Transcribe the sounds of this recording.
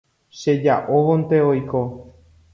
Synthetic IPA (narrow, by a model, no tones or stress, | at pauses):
ʃe̞d͡ʒaʔoʋõnt̪eojko